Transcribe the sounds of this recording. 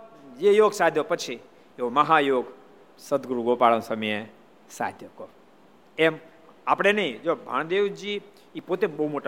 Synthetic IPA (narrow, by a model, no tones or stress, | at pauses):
d͡ʒejoɡsad̪ʱjopət͡ʃʰi | eoməɦajoɡ | səd̪ɡɾuɡopaɭə̃nsəməje | sa̰d̪ʱjəko | em | apɽ̃enəĩd͡ʒobʱa̰ɳ̃d̪eʋd͡ʒiː | pot̪ebəɦumoʈa